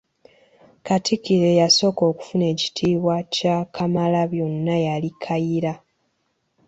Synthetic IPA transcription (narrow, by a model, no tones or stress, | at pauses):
katʰikiɾe̞jaso̞ːko̞ːku̥fune̞ːci̥tʰiːβwacakʰamalaβjo̞nːajalikʰajiɾa